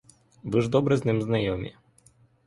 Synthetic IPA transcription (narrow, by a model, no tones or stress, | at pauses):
bɨʐd̪ɔbɾɛznʲɘmznajɔmʲɛ̰